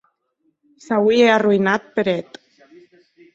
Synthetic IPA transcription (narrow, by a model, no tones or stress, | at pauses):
sawiearuinat̪̚peɾet̪